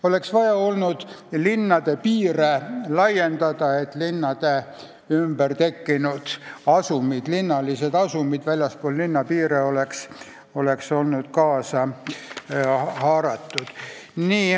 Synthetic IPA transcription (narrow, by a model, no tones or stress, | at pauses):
o̞le̞ksvɑjɑo̞lnud̪̥linːɑd̪̥e̞piːɾelɑje̞nd̪̥ɑd̪̥ɑe̞t̪ːlinːɑd̪̥e | ymbərt̪e̞kːinud̪̥ɑsumid̪̥linːɑlise̞d̪ɑsumid̪̥vælʲjɑspoːllinːɑpiːɾeo̞leks | o̞le̞kso̞lnud̪̥kɑːsɑ | hɑːɾɑt̪ːˑud̪̥niː